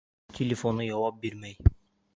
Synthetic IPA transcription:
t̪ʲʰelʲefonujɑwɑp̚beɾmæj

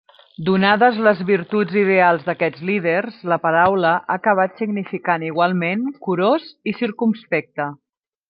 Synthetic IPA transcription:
d̪unaðəzləzβiɾt̪ud͡ziðealˠzðəkɛd͡zliðerzləpəɾawləʔaːkəβ̞at̪siɡnifikaniɣwalˠmenkuɾozisiɾkumspɛk̚t̪ə

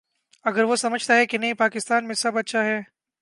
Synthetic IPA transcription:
ɐɡəɾʋosɐməd͡ʒʱt̪aɦɛkinɐɦĩpaːkɪst̪aːnmẽsɐbɐtːʃʰaɦɛː

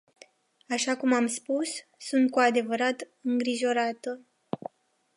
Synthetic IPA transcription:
aʃakumamspusːunt̪̚kuad̪e̞vəɾat̪ | ɨŋɡɾiʒo̞ɾat̪ə

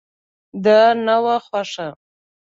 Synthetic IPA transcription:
d̪ənawaxwaʂa

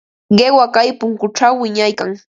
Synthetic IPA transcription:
ɢewakajpʊŋkʊʈ͡ʂawːɪɲajkaŋ

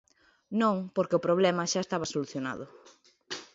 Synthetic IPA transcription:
nõŋpoɾkeʊpɾoβlɛmɐʃaest̪aβɐsoluθjona̰ðʊ

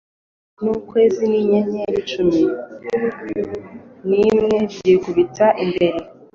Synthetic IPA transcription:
nukwe̞ːziniɲeɲeɾit͡ʃumi | nimŋe̞biɟiekuβitaʔimbe̞ɾe

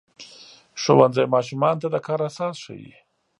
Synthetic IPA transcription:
ʂowanzajmɑʃumɑnt̪ad̪əkɑːɾasɑːsʂa̰wḭ

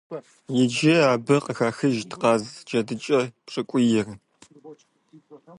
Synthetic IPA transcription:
jɪd͡ʒɪaːbɐqəxaːxɨʒtʰqɑːzd͡ʒɐdɨt͡ʃʼɐpʂʼɨkʷʼʊjɪr

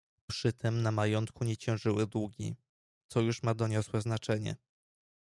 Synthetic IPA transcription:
pʂɘt̪ʰɛmnamajɔnt̪kuɲɛt͡ɕɛ̃w̃ʐɘwɘd̪wuɡʲḭ | t̪sɔjuʂmad̪ɔɲɔswɛznat͡ʂɛɲɛ̰

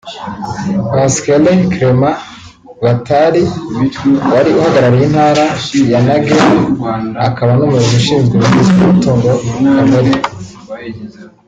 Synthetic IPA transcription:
askelekɾema | βataɾi | waɾiuhaɡaɾaɾajin̥haːɾajanaɡe | akaβanumuuzuʃiːnzɡemunizukumutoːŋɡokameɾi

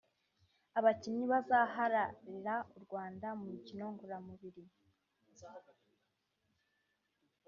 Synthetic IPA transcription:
aβacimɲiβazaɦaɾaɾiɾauɾɡwaːndamumicino̞ŋɡuɾamuβiɾi

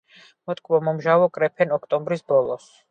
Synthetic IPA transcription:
mɔt̪ʰʼkʼvɔmɔmʒavɔkʼɾɛpʰɛnɔkʰt̪ʼɔmbɾisbɔlˠɔs

